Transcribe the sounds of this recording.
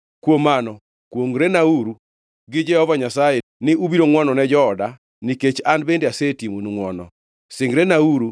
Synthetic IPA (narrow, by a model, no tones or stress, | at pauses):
kwomːanɔ | kwoŋɾenauɾu | ɡɪd͡ʒɛhɔvaɲasajenɪubiɾoŋwɔnɔnɛd͡ʒɔːda | niket͡ʃanbendeasetimonuŋwɔnɔ̰ | sɪŋɡɾɛnauɾu